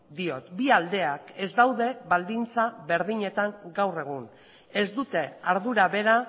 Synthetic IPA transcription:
d̪io̞t̪biald̪e̞ake̞zd̪awðe̞βald̪int͡saβe̞ɾð̞iɲe̞t̪aŋɡawre̞ɣ̞un | e̞zd̪ut̪e̞aɾðuɾaβe̞ɾa

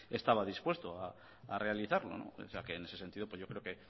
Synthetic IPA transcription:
est̪aβaðispwe̞st̪oa̰ː | rʔe̞aliθaɾlo̞̰no̰seake̞ːne̞sese̞nt̪iðo̞pwe̞zʝjo̞kɾeoke̞

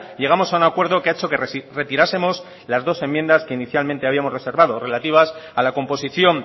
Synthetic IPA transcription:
ʎe̞ɣamo̞saunakwe̞ɾðo̞keaet͡ʃo̞kerre̞t̪iɾase̞mo̞s | lazðo̞se̞mːje̞nd̪aske̞iniθjalmẽ̞nt̪eaβiamo̞zrese̞ɾβaðo̞re̞lat̪iβ̞asalako̞mpo̞siθjo̞n

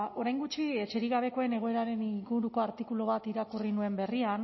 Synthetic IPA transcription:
o̞ɾajŋɡut͡ʃiet͡ʃe̞ɾiɣaβ̞e̞ko̞e̞ne̞ɣ̞o̞e̞ɾaɾe̞niɡuɾuko̞aɾt̪ikuloβ̞at̪iɾakurinue̞mbe̞rian

